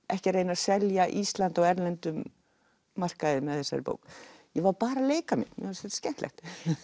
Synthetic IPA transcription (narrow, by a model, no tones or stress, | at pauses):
ʔɛhcɪreːjnḁsɛljaʔist̪lant̪aɣɛɾlɛnt̪ʏmː | ar̥kaðɪmɛðθɛsa̰ɾɪpo̰wkjɛvaɾpaːɾaleːjkamjɪ̰nmjɛ̰hasɛt̪scɛn̥t̪lɛ̰xt̪